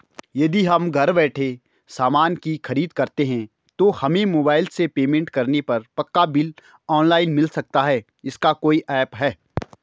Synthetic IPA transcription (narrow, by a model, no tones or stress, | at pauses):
jɐd̪iɦɐmɡʱɐɾbɛːʈʰe | saːmaːnkixɐɾiːd̪kɐɾt̪eɦɛ̃ | t̪ohɐmẽmoːbaːɪlsepeːmẽɳʈkɐɾnepɐɾpɐkːabɪl | ɔːnlaːɪnmɪlsɐk̚t̪aɦɛː | ɪskakoːiʔɛːpɦɛː